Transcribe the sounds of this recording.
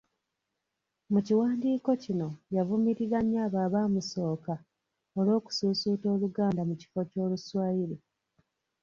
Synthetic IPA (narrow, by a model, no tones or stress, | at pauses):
muciwaːndiːko̞cino̞javumiɾiɣaɲjaːβaːβaːmuso̞ːka | olo̞ːku̥suːsuːto̞ːluɡaːndamuci̥fo̞co̞ːluswaːjiɾi